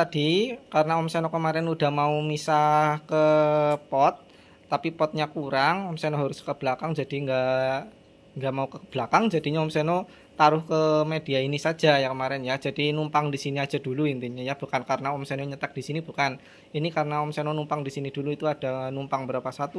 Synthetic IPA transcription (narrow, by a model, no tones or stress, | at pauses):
t̪ad̥ikaɾənaɔmsenokəmaɾɪnud̥a̤hmaumisakəpɔt̪̚ː | apipɔt̪̚ɲakuɾaŋɔmsenoɦaɾʊskəb̥lakaŋd͡ʒad̥iŋɡa | ŋɡamaukəb̥lakaŋd͡ʒad̥i̤ɲaɔmseno | t̪aɾʊhkəmediainisḁd͡ʒajakəmaɾɪnjad͡ʒad̥inumpaŋdisiniḁd͡ʒ̥a̤duluint̪uɲajab̥ukankaɾənaɔmsenoɲət̪ak̚d̥isinib̥ukan | inikaɾənaɔmsenonumpaŋdisiniduluit̪uad̥a̤numpaŋbəɾapasat̪u